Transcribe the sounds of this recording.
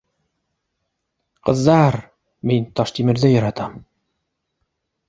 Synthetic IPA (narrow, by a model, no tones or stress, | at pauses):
qɤ̆ðd̪ɑɾ | mint̪ɑʃt̪imɘ̆ɾðɘjɑ̆ɾɑt̪ɑm